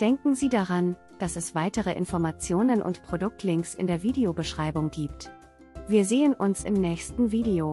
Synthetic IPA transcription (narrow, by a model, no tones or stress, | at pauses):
d̥ɛŋkŋ̩ziːdaʁan | d̥asɛsv̥aɪtəʁəʔɪ̰nfɔɐmat͡sjoːnənʔʊ̰ntpʁ̥odʊk̚tʰlɪŋksɪ̰ndeːɐviːdeobəʃʁ̥aɪbʊŋɡiːpt | viːɐzeːənʔʊnsɪ̰mnɛːçstn̩viːdeoː